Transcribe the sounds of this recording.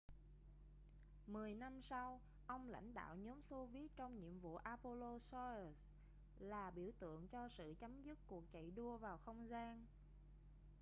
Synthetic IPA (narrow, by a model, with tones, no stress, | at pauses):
mɨ˨˩əjna˧msa˧w | ʔə˧wŋ͡mla̰˧˨jŋ̟ɗa̰ː˧˨wɲɔ˨˦mso˧vi˦˥ət̚t͡ɕɔ˧wŋ͡mɲḭ˧˨əmvṵ˧˨ʔaː˧po˧lo˧sɔ˧˨˩s | laː˨˩ɓi˧˩əwt̪ɨ̰˧˨əŋt͡ɕɔ˧sɨ̰˧˨t͡ɕa˨˦mzɨ˦˥t̚ku˨˩ək̚t͡ɕə̰˧˨jɗu˧əvaː˨˩wxə˧wŋ͡mzaː˧n